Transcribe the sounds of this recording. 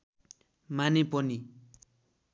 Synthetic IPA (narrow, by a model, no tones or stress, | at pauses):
manipʌni